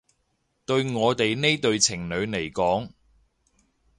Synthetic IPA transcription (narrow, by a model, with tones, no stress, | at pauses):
t̪ɵ˧ɥŋɔː˨˧t̪e˨jne˥t̪ɵ˨˧ɥt͡sʰɪ˨˩ŋnɵ˨˧ɥne˨˩jkɔː˨˥ŋ